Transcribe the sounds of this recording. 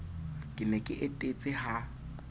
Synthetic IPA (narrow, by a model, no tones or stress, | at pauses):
kʼɪnɛkʼɪʔetʼet͡sʼɪha